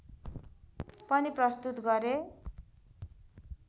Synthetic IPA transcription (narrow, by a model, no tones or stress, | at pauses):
pʌniprʌst̪ut̪ɡʌɾe